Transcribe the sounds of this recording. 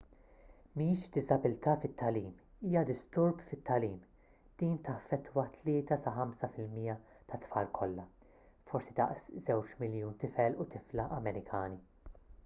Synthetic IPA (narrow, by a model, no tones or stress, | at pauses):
miːʃd̪ɪzɐbɪlt̪ɐːfɪt̪ːɐliːm | iːjɐd̪ɪst̪ʊɾbfɪt̪ːɐliːm | d̪̥iːnt̪ɐfːɛt̪ːwɐt̪lɪːt̪ɐsɐħɐmsɐfɪlmiːjɐ | t̪ɐt̪ːfɐːlkʰɔlːɐ | fɔɾsid̪ɐ̰ʔszɛwt͡ʃmɪljuːnt̪ɪfɛlʊt̪ɪflɐʔɐmɛɾɪkʰɐːni